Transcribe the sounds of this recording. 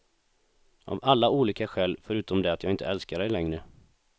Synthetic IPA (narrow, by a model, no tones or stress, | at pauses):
ʔa̰valːauːliːkaɧɛːlfœɾʉ̟ːt̪ɔmd̪ɛat̪jɑːɪnt̪ʰəɛlskaɖɛjlɛŋɾə